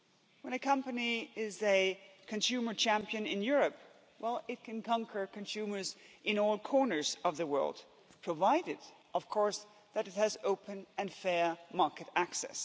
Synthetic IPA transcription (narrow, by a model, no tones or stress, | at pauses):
wə̃ñɨkʰʌ̃mpɨniɪzɨkʰɨ̃nsʉmə˞t͡ʃʰæ̃mpiɨ̃nɪ̃njʊɹɨp | wɛlˠɪt̚kʰɨ̃nkʰɑ̃ŋkʰə˞kɨ̃nsʉmə˞zɨ̃nɔlˠkʰɔɹnə˞zʌvðəwɜ̰˞lˠd̚ | pʰɹ̥əvaɪɾɨd | ʔʌv̥kʰɔɹs | ðɨɾɨt̚hɨzoʊpʰɨ̃nɨ̃nfɛɹmɑɹkɨɾæksɛ̰s